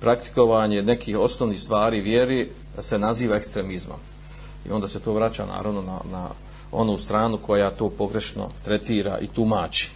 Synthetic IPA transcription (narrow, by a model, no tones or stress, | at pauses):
pɾakt̪i̥ko̞ʋaɲe̞ne̞kʰiːho̞snoʋniːhst̪ʋaːɾiːʋjeɾi | se̞naziːʋaekst̪ɾe̞mizmo̰m | ḭo̞nd̪aːse̞t̪o̞ːʋɾat͡ɕa̰ːna̰ːɾaʋno̞na̰na̰ | o̞̰nuːst̪ɾaːnukʰo̞jat̪o̞ːpo̞ɡɾe̞ʃno̰t̪ɾe̞t̪iːɾa̰ʔḭt̪umaːt͡ʃi̥